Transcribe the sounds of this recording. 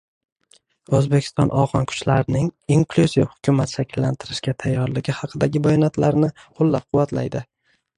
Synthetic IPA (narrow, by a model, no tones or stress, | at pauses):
ɵzbekʲʰɪ̥st̪ɒ̰nʔɒʁɒnkʰʊ̥t͡ʃlaɾɪnɪŋiŋkluzivhʊ̥kʲʰʊmat̪ʃakʲʰɪlːant̪ʰɪɾɪʃkʲat̪ʰajːɒɾlɪɡʲɪhɑqʰɨd̪aɡʲɪbɒjɒnat̪laɾnɪqʰolːap̚qʰʊwːat̪la̰jd̪ɪ